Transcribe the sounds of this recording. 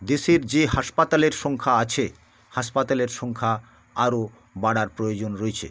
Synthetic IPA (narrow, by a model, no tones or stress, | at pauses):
d̪eʃeɾd͡ʑeɦaʃpat̪aleɾʃɔŋkʰaat͡ɕʰe | haʃpat̪aleɾʃɔŋkʰa | aɾo | baɽaɾpɾojod͡ʑonɾoet͡ɕʰḛ